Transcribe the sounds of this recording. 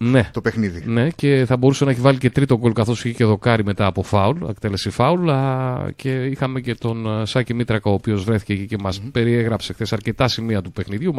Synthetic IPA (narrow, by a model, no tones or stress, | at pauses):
ne̞t̪opexniðine̞ce̞θɐbo̞ɾusenɐeçivɐlice̞t̪ɾit̪o̞ɡolkɐθo̞siçice̞ðo̞kɐɾime̞t̪ɐːpo̞fɐulek̚t̪e̞le̞sifɐul | ceixɐme̞ce̞t̪o̞nsɐcimit̪ɾɐkɐoːpio̞zvɾe̞θi̥cecice̞mɐspe̞ɾieɣɾɐpse̞xθe̞sɐɾce̞t̪ɐsimiɐt̪upe̞xniðʝum